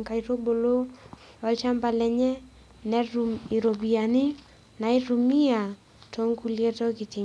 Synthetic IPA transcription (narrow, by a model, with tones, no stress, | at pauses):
ŋka˨i˨ɾo˦bo˨lo˦ | ɔ˨˦lt͡ʃa˦mba˨lɛ˦ɲɛ˦ | nɛ˦ɾu˨i˨ɾo˨bi˨a˨nɪ˦ | na˨i˦ɾu˨mi˦a˨ | tʰo˦ŋku˦lje˦to˦kɪ˨tɪ˨